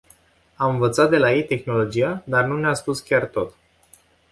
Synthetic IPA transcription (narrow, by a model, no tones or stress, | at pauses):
amɨnvət̪sat̪̚d̪e̞laje̞jt̪e̞xno̞lo̞d͡ʒiad̪arnuneaspuskʲart̪o̞t̪